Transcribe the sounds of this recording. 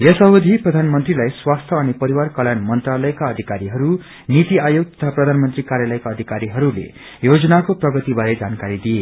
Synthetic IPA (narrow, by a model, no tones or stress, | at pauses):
jʌsʌɦod̪ʱiprʌd̪ʱanmʌnt̪rilajswast̪ʰjʌːnipʌɾiwarkʌljanmʌnt̪ralʌjkaʌd̪ʱikaɾiɦʌɾu | nit̪iajoɡ̚t̪ʌ̥t̪ʰaprʌd̪ʱanmʌnt̪rikaɾjalʌjkaʌd̪ʱikaɾiɦʌɾulḛ | jod͡zʌnakoprʌɡʌt̪ibaɾed͡zankaɾid̪ije